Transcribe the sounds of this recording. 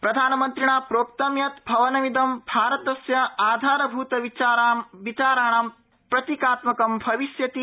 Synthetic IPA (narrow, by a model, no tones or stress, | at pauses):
pɾɐd̪ʱaːnɐmɐnt̪ɾiɳaːpɾoːkt̪ɐmjɐt̪bʱɐʋɐnɐmid̪ɐmbʱaːɾɐt̪ɐsjɐaːd̪ʱaːɾɐbʱuːt̪ɐʋit͡ʃaɾamʋit͡ʃaːɾaːɳaːm | pɾɐt̪ikaːt̪mɐkɐmbʱɐʋisjɐt̪i